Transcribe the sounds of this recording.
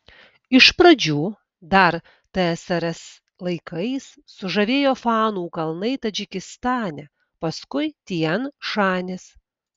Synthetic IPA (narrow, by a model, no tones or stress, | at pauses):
ɪʃpɾɐd͡ʒʲuː | d̪ɐɾ | t̪ɐɛsɐɾɛs | lˠɐɪkɐɪs | sʊʒɐʋʲeːjoːfɑːnuːkɐlˠnɐɪt̪ɐd͡ʒʲɪkʲɪst̪ɑːnʲɛ | pɐskʊɪt̪ʲiɛnʃɑːnʲɪs